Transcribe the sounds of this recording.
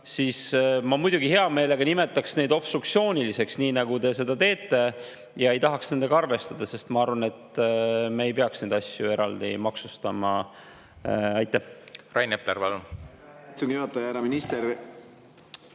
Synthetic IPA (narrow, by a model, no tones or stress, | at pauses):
siːsmɑmujd̪̥uɡihe̞ɑme̞ːle̞ɡ̥ɑnime̞t̪ːˑɑksne̞jd̪o̞b̥st̪rukt̪sio̞ːnʲilise̞ksniːnɑɡ̥ud̪e̞se̞d̪ɑt̪e̞ːt̪ˑːe̞ | jɑe̞jt̪ɑɦɑksne̞nd̪e̞ɡ̥ɑɑrve̞st̪ɑd̪̥ɑse̞st̪mɑɑɾvɑne̞t̪meejpeɑksne̞ːd̪ɑsjue̞ɾɑld̪̥ḭmɑksust̪ɑmɑ | ɑjt̪ːˑæhrɑjnepleɾpɑlun | sunjuhɑt̪ːˑɑjæɾɑminist̪eɾ